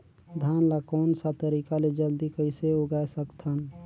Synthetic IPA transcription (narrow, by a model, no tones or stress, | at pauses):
d̪ʱanlakoːnsat̪əɾikaled͡ʒəld̪ikəɪseuɡaesəkt̪ʰən